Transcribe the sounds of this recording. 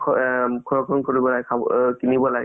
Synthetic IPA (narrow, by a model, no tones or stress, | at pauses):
kʰɔɹɔkʰɔnkoɹibɔlaɡkʰakinibɔlaɡɛ